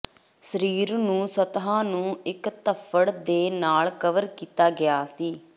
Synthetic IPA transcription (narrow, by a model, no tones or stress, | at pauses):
səɾiːɾnũːsət̪ɦãːnũːɪkt̪əpʰəɽd̪eːnaːlkəʋəɾkiːt̪aːɡɪjaːsiː